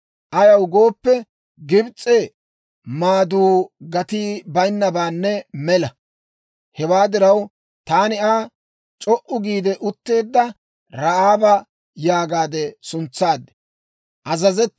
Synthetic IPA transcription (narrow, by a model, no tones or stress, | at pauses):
ʔɐjɐwɡo̞ːpːɛ | ɡɪbt͡sʼːɛ | maːd̪uːɡɐt̪iːbɐjnːɐbaːnːɛmɛlɐ | hɛwaːd̪ɪɾɐw | t̪aːnɪaː | t͡ʃʼɔʔʊɡiːd̪ɛʔʊt̪ːe̞ːd̪ːɐ | ɾɐʔaːbɐ | jaːɡaːd̪ɛsʊnt͡sːaːd̪ːɛ̥ | ʔɐzɐzɛt̪